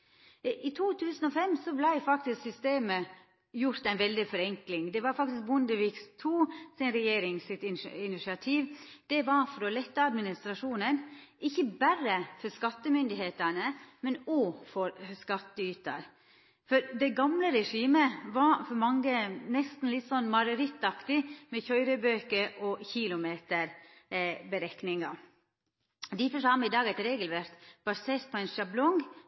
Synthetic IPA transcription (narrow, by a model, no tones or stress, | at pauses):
ʔɪt̪ʰuːt̪ʰʉːsən̩ɔfɛmːsɔblæɪfɑk̚t̪ɪsksʏst̪eːmə | jʊɾt̪æɪnʋɛld̪ɪfɔɾɛŋklɪŋd̪ɛʋɑɾfɑk̚t̪ɪsk̚bʊnd̪əʋikst̪ʰuːsɪnɾɛjeːɾɪŋsɪt̪ɪnɪnɪʂɪɑt̪ʰiːʋd̪̥ɛʋɑɾfɔɾɔlɛt̪ːəɑd̪mɪnɪst̪ɾɑʂuːnənʔɪçːəbæɾəfɔɾskɑt̪ːəmʏnd̪ɪheːt̪ænəmɛnoːfɔɾskɑt̪ːəyːt̪ə̰ɾ | fɔɾd̪ɛɡɑmləɾɛʂiːməʋɑfɔɾmɑŋɡənɛst̪n̩lɪt̪ːsɔnːmɑɾəɾɪt̪ːɑkt̪ɪmɛçœʏɾəbøːkəɾɔçɪlʊmeːt̪əɾ | bəɾɛknɪŋɑ | d̪ɪfəʂhɑɾmɪd̪ɑːɡæɪt̪ɾeːɡəlʋæɾt̪b̥ɑseːɾt̪̚pʰɔɛnʂɑblɔŋ